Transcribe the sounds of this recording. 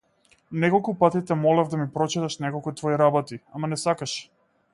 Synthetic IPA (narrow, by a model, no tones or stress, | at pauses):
nɛkɔlˠkupat̪it̪ɛmɔlɛvd̪amipɾɔt͡ʃit̪aʃnɛkɔlˠkut̪vɔiɾabɔt̪iamanɛsakaʃ